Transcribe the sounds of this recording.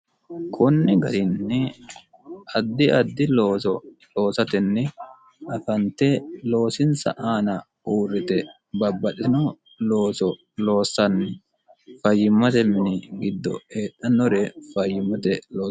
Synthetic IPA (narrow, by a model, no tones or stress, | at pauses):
kʰɔnːɪɡɐɾɪnːɛ | ʔɐd̪ːɪɐd̪ːɪloːsɔlo̞ːsɐt̪ɛnːɛ | ʔɐfɐnt̪ɛlo̞ːsɪnsɐ̰ʔaːnɐ | ʔuːrːɪt̪ɛ | bɐbːɐɗɪnɔ | lo̞ːsɔ | lo̞ːsɐnːɛ | fɐjːɪmːɐt̪ɛmɪnɪɡɪd̪ːɔ̰eːɗɐnːɔɾɛfɐjːɪmːɐt̪ɛloː